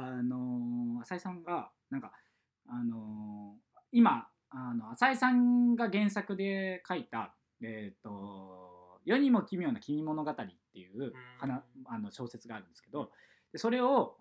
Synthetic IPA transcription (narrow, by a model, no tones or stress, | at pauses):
ano̞asaisãŋɡa | nãŋka | ano̞ | ima | ano̞asaisãŋɡaɡẽ̞ɰ̃sakɯ̟d̪e̞kait̪a | et̪ːo̞ | jo̞ɲ̟imokʲimʲijo̞ːnakʲimʲimo̞no̞ɡat̪aɾʲit̪ːe̞jɯ̟ːhanaano̞ɕo̞ːse̞t͡sɨɡaːɾɯ̟nd̪eske̞d̪o̞ | d̪̥e̞so̞ɾe̞o̞